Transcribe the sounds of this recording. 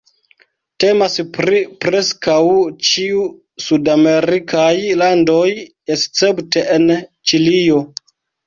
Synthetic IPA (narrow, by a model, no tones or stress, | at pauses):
te̞maspɾipɾe̞skawt͡ʃiu | sudame̞ɾikʰajlando̞j | est͡se̞pte̞ʔent͡ʃilio̞